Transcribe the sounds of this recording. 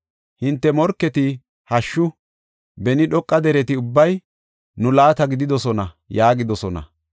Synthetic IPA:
hɪnt̪ːɛmɔɾkːɛt̪ɪ | hɐʃːʊ | bɛnɪɗɔkʼːɐd̪ɛɾɛt̪ɪʊbːɐj | nʊlaːt̪ɐɡɪd̪ɪd̪ɔsɔnɐ | jaːɡɪd̪ɔsɔnɐ̰

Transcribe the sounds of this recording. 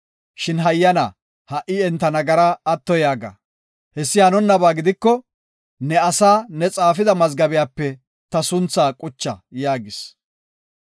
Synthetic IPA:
ʃɪnɦɐjːɐna̰ | hɐʔɪɛnt̪ːɐnɐɡɐɾɐːt̪ːɔjaːɡɐ̰ | hɛsːɪhɐnɔnːɐbaːɡɪd̪ɪkːɔ | nɛɐsaːnɛt͡sʼaːfɪd̪ɐmɐzɡɐbɪjaːpːɛ | t̪ɐsʊnt͡sːaːkʼʊt͡ʃːɐ̰jaːɡɪs

